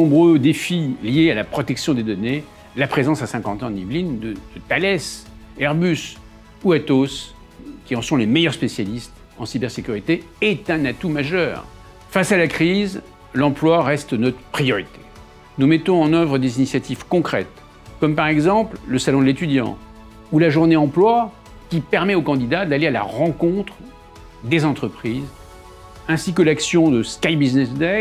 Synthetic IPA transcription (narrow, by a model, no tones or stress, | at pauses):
ɔ̃bʁød̪efiljealapχɔt̪ɛksjɔ̃d̪ed̪ɔne | lapχezɑ̃sasɛ̃kɑ̃t̪ɑ̃nivlind̪əd̪̥ət̪alɛs | ɛʁbys | uat̪os | kʲiɑ̃sɔ̃lemɛjœʁspesjalist̪ | ɑ̃sibɛʁsekʲyʁit̪e | ɛt̪ɛ̃nat̪umaʒœːʁ | fasalakχiz | lɑ̃plwaʁɛst̪nɔt̪χəpχijɔʁit̪e̥ | numɛt̪ɔ̃ɑ̃nœvʁəd̪ezinisjat̪ʰivkɔ̃kχɛ̰t̪ | kɔmpaʁɛɡzɑ̃plləsalɔ̃d̪let̪yd̪jɑ̰̃ | ulaʒuʁneɑ̃plwa | kʲipɛʁmɛokɑ̃d̪id̪ad̪aleala̰ʁɑ̃kɔ̃t̪χ | d̪ezɑ̃t̪χəpχiz | ɛ̃sik̬əlaksjɔ̃d̪əskajbiznɛsd̪ɛ